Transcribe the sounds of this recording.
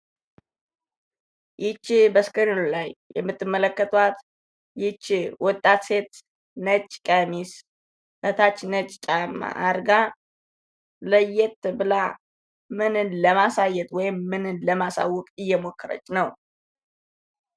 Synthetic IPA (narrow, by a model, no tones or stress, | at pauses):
ʔɪt͡ʃːbəskənollajjɛ̰mːɨt̪ʰʼːɨmːələkːət̪ʼwat̪ | jɪt͡ʃːwɔt̪ʼːat̪se̞t̪ | nət͡ʃʼkʼəmis | mət̪ʰat͡ʃːnət͡ʃʼt͡ʃʼama̰ʔaɾɡa | ləjːɛt̪bɨla | mɨnɨnləmasajːɛt̪wɔjɪmːɨnɨnləmasa̰wɔkʼɨjːɛmokʰːəɾə̰t͡ʃːnəw